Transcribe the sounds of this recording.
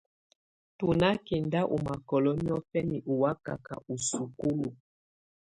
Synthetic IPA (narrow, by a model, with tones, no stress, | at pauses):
tu˨na˦kɛ˨nda˦ʔu˨ma˨kɔ˨lɔ˦mi˦ɔ˦fɛ˦ni˨ʔu˨wa˦ka̰˨ka̰˨u˨su˨ku˦lu˨